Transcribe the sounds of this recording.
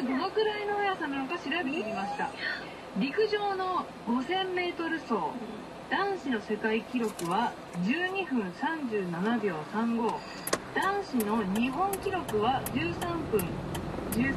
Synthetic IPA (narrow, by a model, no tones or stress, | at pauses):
d̪o̞no̞kɯ̟ɾainoojasãnanokaɕiɾabet̪eɾʲimaɕi̥t̪a̰ | ɾʲikɯ̟ʑo̞ːno̞ | ɡo̞sẽ̞mːe̞ːt̪o̞ɾɯ̟so̞ː | d̪̥ãɰ̃ɕino̞se̞kaikʲiɾo̞kɯ̟βa | d͡ʑɨːɲ̟iɸɯ̟̃ɰ̃sãɲ̟d͡ʑɨːnanabʲo̞ːsãŋɡo̞ː | d̪̥ãɰ̃ɕino̞ɲ̟iɦõ̞ŋkʲiɾo̞kɯ̟βad͡ʑɨːsãmpɯ̟̃nd͡ʑɨː